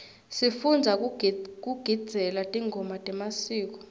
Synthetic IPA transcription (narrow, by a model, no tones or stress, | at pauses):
sifund͡zʱakk̬ʼuɡ̥ʱid̥d͡z̥z̥ʱɛlatʼiŋʱɔmatʼɛmasiːk̬ɔ̥